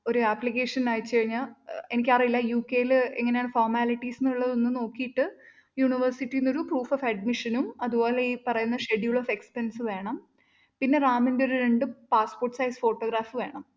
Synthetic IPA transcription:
o̞ɾuɐplike̞ːʂɐnaːjit͡ɕːɨkɐɻiɲːae̞nikʲːarijilːɐjuːkːe̞ːjilɨeŋːɐneaːɳɨfoːrmaːliʈːisinːuɭːɐðonːɨno̞ːkːijiʈːɨ | juːɳiʋɐrsiʈːijinːo̞ɾupruːfofɐɖmiʂɐnumɐðubo̞ːleipɐrɐjunːɐʂe̞ɖijuɭofe̞kspensɨʋe̞ːɳɐm | pinːe̞raːmindeo̞ɾuɾeɳɖɨpaːsporʈːsɐjsfo̞ːʈːo̞ːɡɾaːfɨʋe̞ːɳɐm

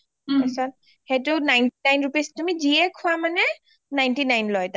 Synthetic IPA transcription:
asɔn | het̬ʊnajntinajnɹupistumiziɛkʰʊwamanɛ | najntinajnlɔjta

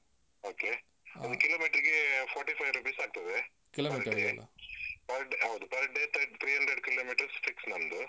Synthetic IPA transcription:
oːke | ɐd̪ukilomiːʈɐɾiɡepʰɔːɾʈipʰɐjʋɾupiːsaːɡ̚t̪ɐd̪e | kiloːmiːʈɐɾɐeɐlːʔɐ̰pɐɾɖeɦɐwd̪upɐɾɖet̪ʰɐɾʈt̪ʰɾiːɦɐnɖ̪ɾeɖkiloːmiːʈɐɾsfʰiksnɐnd̪u

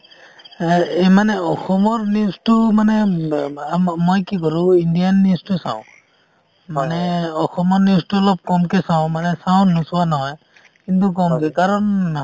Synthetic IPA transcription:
emanɛɔxɔmɔɹniʊstʊmanɛ | amɔjkikɔɹʊ̃indijanːiʊstusã̰ʊ̃ | manɛɔxɔmɔɹniʊstuɔlɔp̚kɔmkɛsãw̃manɛsaw̃nusuwanɔɦɔj | kintuk̬ɔmkɛkaɹɔn

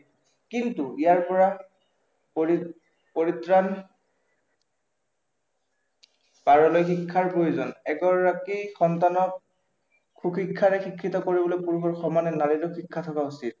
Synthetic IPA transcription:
kintuijaɹpɔɹa | p | poɹitɹan | paɹɔlojxikʰːaɹpɹojuzɔnɛɡɔɹːakixɔntanɔkʰː | uxikʰːaɹɛxikʰːitɔkoɹibɔlojpuɹkɔɹxɔmanɛnaɹitɔxikʰːatʰɔkausit̚

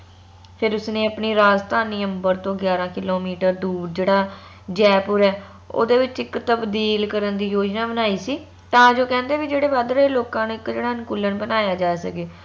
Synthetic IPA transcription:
pʰɪɾʊsnẽːəpɳiːɾaːzt̪ʰaːniːəmbəɾt̪õːɡjaːɾãːkɪloːmiːʈəɾd̪uːɖ̚d͡ʒeːɽaː | d͡ʒɛːpʊɾɛː | o̰ːd̪eːʋɪt͡ʃɪkt̪əbd̪iːlkəɾənd̪iːjoːd͡ʒnaːbənaːiːsiː | t̪ãːd͡ʒoːkɛ̃ːnd̪eːʋid͡ʒeːɽeːʋaːd̪ɾəeːloːkãːneːɪkd͡ʒeːɽaːnkʊlːənbənaːjaːd͡ʒaːsə̰keː

